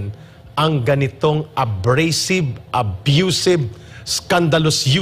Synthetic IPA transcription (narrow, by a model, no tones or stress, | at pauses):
n | ʔɐŋɡɐnɪt̪o̞ŋʔɐbɾejsɪbʔɐbjusɪb̚skand̪ɐlosju